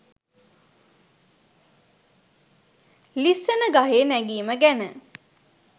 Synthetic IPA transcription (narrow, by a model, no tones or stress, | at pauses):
lisːənəɡaɦeːnæɡiːməɡænə